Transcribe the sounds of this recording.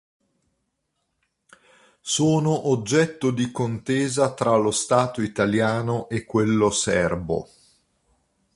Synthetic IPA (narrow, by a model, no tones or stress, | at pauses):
soːnoʔod͡ʒːɛt̪ːod̪ikont̪eːzat̪ɾalost̪aːt̪oit̪aljaːnoʔekːwelːosɛrbo̰